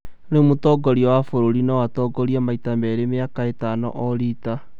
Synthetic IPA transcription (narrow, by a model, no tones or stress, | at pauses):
nemotɔɡɔɾiɔwafoɾoɾinɔwatɔːɡɔɾiamaitamɛɾemeakaetanɔ̰ʔɔɾita